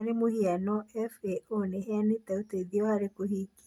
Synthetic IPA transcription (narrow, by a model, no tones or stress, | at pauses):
ɾemohianɔɛfeʔoneheanit̪auteiðiɔhaɾekuɦik